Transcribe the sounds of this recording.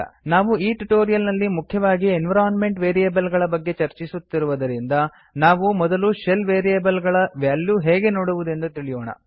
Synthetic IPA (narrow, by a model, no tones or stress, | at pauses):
naːʋuiːʈuʈoːɾijɐlnɐlːimukʰːjɐʋaːɡienʋɐɾaːnme̞ɳʈʋeːɾijɐːbɐlɡɐɭɐbɐɡːe̞t͡ʃɐɾt͡ʃisut̪ːiɾuʋɐd̪ɐɾind̪ɐ | naːʋumɔd̪ɐluʂelʋeːɾijɐbɐlɡɐɭɐʋjaːljuɦeːɡe̞no̞ːɽuʋud̪e̞nd̪ut̪iɭijoːɳɐ̰